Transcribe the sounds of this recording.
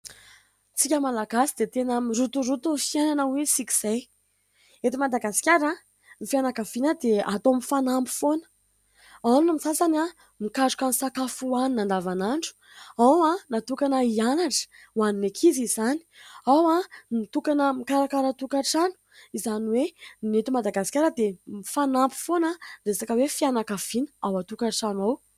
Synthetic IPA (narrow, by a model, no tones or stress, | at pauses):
t͡sikʲəmalaɡasid̪et̪enəmiɾut̪uɾut̪ufiajnanawesiki̥z̥aj | et̪imad̪aɡasi̥kʲaɾa | mifianakav̥inəd̪eat̪omifanambi̥fonə̥ | anunamisasana | mikaɖ͡ʐukamisakafuaninand̪avanaɳɖ͡ʐu̥ | awanat̪ukanəianaʈ͡ʂə̥ | waninekʰizizani̥awanit̪ukanəmikaɾakaɾət̪ukaʈ͡ʂanu̥izaniwennet̪umad̪aɡasi̥kʲaɾəd̪emifanampi̥fonəresakəwefianakav̥inə̥awat̪ukaʈ͡ʂanwaw